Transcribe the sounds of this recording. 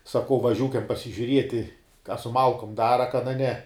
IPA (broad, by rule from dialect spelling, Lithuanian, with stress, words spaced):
sɐˈkɐʊ ʋɐˈʒʲuːkʲɛm pɐsʲɪʒʲʊˈrʲiɛtʲɪ kɐ sʊ ˈmɐlˠkʊm ˈdɑːrɐ kɐn ɐ ˈnʲɛ